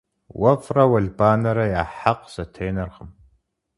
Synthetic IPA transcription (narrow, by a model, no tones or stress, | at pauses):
wɐfrɐwɐɮbaːnɐɾɐjaːħaqsɐtʰeːnɐrʁəm